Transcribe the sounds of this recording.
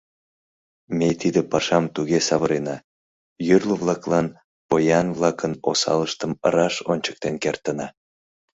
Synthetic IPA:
mʲet̪id̪epɑʃɑmt̪uɣesɑβəɾenɑ | jyrləβlˠɑklɑn | pojɑnvlˠɑkənosɑ̰ləʃt̪əmə̰ɾɑʃonʲt͡ɕə̥k̚t̪enkert̪ənɑ

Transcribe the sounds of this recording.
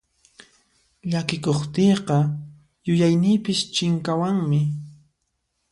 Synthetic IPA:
ʎakɪkoχt̪ejqɑ | jʊjajnɪːpɪst͡ʃɪŋkawaŋmɪ

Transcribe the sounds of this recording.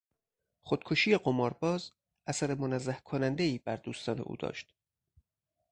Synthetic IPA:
χod̪̥̚kʰoʃiːjeɢomɒːɾbɒːz | ʔæsæɾe̞monæzːæhkʰonænd̪e̞iːbæɾd̪uːst̪ɒːne̞̰ʔṵːd̪ɒ̰ːʃt̪

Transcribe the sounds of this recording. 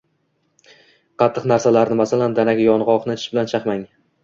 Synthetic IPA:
qʰɑt̪ʰːɨqnaɾsalaɾnɪmasaland̪anaɡʲajɒnʁɒqnɪt͡ʃʰbɪlant͡ʃʰɑqmaŋ

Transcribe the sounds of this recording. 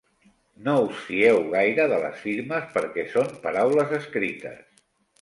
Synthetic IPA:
nousfiɛwɣajɾəðələ̰sfiɾməspəɾkɛsompəɾawləzəskɾit̪ə̰s

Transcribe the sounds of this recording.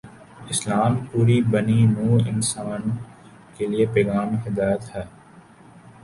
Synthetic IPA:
ɪslaːmpuːɾibɐninuːɾɪ̰nsaːn | keliepeːɡaːmɦɪd̪aːjət̪hɛː

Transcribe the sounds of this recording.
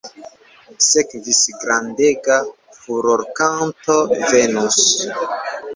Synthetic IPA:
sekvisɡɾandeɡa | fuɾoɾkantovenus

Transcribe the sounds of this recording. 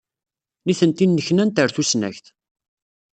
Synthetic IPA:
niθənt̪inːəçnænt̪əɾθusnæ̰çθ

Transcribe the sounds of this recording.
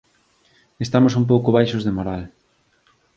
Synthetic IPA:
est̪amosumpowkʊβ̞ajʃozðemoɾal

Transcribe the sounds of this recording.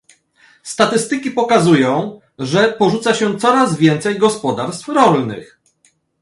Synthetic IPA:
st̪at̪ɘst̪ɘkʲipɔkazujɔ̃w̃ | ʐɛpɔʐut̪saɕɛ̃t̪sɔɾazvʲjɛnt̪sɛjɡɔspɔd̪aɾst̪fɾɔlnɘ̰x

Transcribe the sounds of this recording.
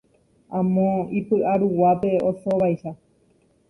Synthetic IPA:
ãmõipɨʔaɾuwape̞osoʋaiʃa

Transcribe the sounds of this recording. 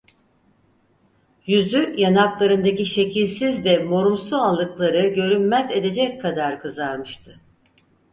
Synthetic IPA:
jyzyjanaklˠaɾɯnd̪aciʃe̞cʰilʲsizvɛmo̞ɾumsualˠːɯklˠaɾɯɟø̞ɾynmæze̞d̪e̞d͡ʒɛckʰːad̪aɾkʰɯzaɾmɯʃt̪ʰɯ̥

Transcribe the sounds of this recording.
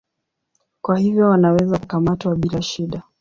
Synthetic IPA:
kwahivjɔwanawɛzakukamatwaɓilaʃiɗa

